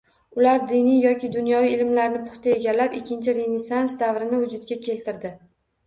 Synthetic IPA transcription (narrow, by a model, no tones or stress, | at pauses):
ʊlaɾd̪ɪnijɒkʲʰɪd̪ʊnjɒviɪlmlaɾnɪpʊ̥χt̪ʰae̞ɡʲalːapɪkʲːɪnt͡ʃʰɪɾenesansd̪avɾɪnɪvʊd͡ʒʊd̪ɡʲakʲʰe̞lt̪ʰɪɾd̪ɪ